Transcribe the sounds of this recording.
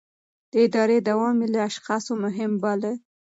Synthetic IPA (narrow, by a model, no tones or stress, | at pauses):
d̪̥əɪd̪ɑɾed̪awɑmelaaʃxɑsomʊɦɪmbale